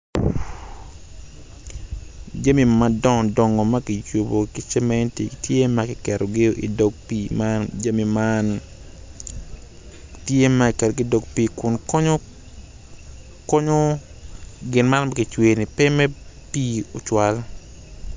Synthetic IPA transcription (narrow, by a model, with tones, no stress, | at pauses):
d͡ʒa˦mi˨madɔ˦ŋɔ˨dɔ˨ŋɔ˨ma˦kɪ˨t͡ʃo˨bo˨kɪ˦t͡ʃɛ˦mɛ˦nti˨tje˦ma˦kɪ˨kɛ˨ɾʔo˨ɡɪ˦ʔḭ˨do˦ɡ̚piː˦mand͡ʒa˦mi˨ma˦n | tje˦ma˦kɪ˨kɛ˨ɾo˨ɡɪ˦do˨ɡpiː˦kʊ˨nkɔ˦ɲo˦ | kɔ˦ɲo˦ | ɡɪ˨nma˦nma˦kɪ˨t͡ʃwe˨ni˨pɪ˦mɛ˦piː˦o˨t͡ʃwa˨l